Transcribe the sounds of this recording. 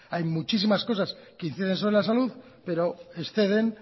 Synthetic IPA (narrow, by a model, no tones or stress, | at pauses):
ajmut͡ʃis̬imasko̞saskein̟θiðe̞nso̞βɾelasaluð | pe̞ɾo̞esθe̞ð̞e̞n